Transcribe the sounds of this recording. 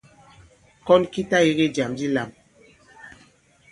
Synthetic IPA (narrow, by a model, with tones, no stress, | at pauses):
kɔ˦nki˦ta˦je˦ɣe˦d͡ʒa˨md͡ʒi˦la˨m